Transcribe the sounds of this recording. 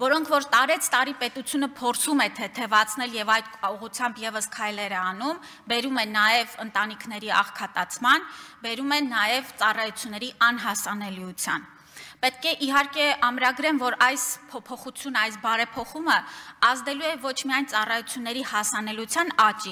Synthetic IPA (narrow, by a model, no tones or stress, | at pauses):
vɔɾɔŋkʰvɔɾt̪ɑɾɛt͡sʰt̪ɑɾipɛt̪ut͡sʰjunəpʰɔɾt͡sʰumɛt̪ʰɛt̪ʰɛvɑt͡sʰnɛljɛvɑjt̪uʁut͡sʰjɑmbjɛvəskʰɑjlɛɾɛɑnum | bɛɾumɛnɑjɛvənt̪ɑnikʰnɛɾiʔɑ̰χkʰɑt̪ɑt͡sʰmɑnbɛɾumɛnɑjɛvt͡sɑrɑjut͡sʰjunːɛɾiʔɑnɦɑsɑnɛliut͡sʰjɑn | pɛt̪̚kɛʔiɦɑɾkɛɑmɾɑɡɾɛmvɔɾɑjspʰɔpʰɔχut͡sʰjunəɑjsbɑɾɛpʰɔχuməɑzd̪ɛluɛvɔt͡ʃʰmiɑjnt͡sɑrɑjut͡sʰjunːɛɾihɑsɑnɛlut͡sʰjɑnɑt͡ʃi